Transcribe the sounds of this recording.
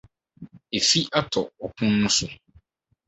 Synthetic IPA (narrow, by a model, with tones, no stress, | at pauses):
e˨fi˦ʔa˦tʰɔ˨ɔ˨kʰũ˦nːʊ̃˦sʊ˦